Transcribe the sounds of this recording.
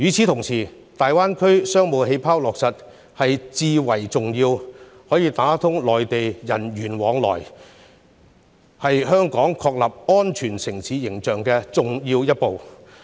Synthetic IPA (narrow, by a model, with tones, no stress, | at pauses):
jyː˨˧t͡sʰiː˨˥t̪ʰʊ˨˩ŋsʰiː˨˩ | t̪aː˨jwaː˥nkʰɵ˥ɥsœː˥ŋmo˨˧wɦe˨˧jpʰaː˥wlɔː˨k̚sɐ˨t̚ | hɐ˨jt͡siː˧wɐ˨˩jt͡sʊ˨ŋjiː˧w | hɔː˨˥jiː˧t̪aː˨˥t̪ʰʊ˥ŋlɔː˨jt̪e˨jjɐ˨˩nɥyː˨˩nwɔː˨˧ŋlɔ̰ː˨˩j | hɐ˨jɦœː˥ŋkɔː˨˥ŋkʰɔː˧k̚lɐ˨p̚ŋɔː˥nt͡ʃʰyː˨˩nsɪ˨˩ŋsʰiː˨˧jɪ˨˩ŋt͡ʃœː˨˩ŋkɛː˧t͡sʊ˨ŋjiː˧wjɐ˥t̚po˨w